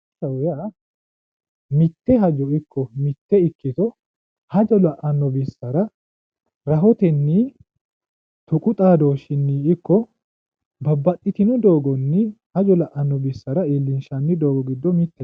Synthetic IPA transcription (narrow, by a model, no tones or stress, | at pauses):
ɐwja | mɪt̪ːɛɦɐd͡ʒɔɪkʰːɔmɪt̪ːɛɪkːɪt̪ɔ | hɐd͡ʒɔlɐʔɐnːɔbɪsːɐɾɐ | ɾɐɦɔt̪ɛnːi | t̪ʊkʼʊt̪ʼaːd̪oːʃɪnːiːɪkːɔ | bɐbːɐtʼːɪt̪ɪnʊd̪o̞ːɡɔnːɪ | hɐd͡ʒɔlɐʔɐnːɔbɪsːɐɾɐeːlːɪnʃɐnːɪd̪oːɡɔɡɪd̪ːɔmɪt̪ːɛ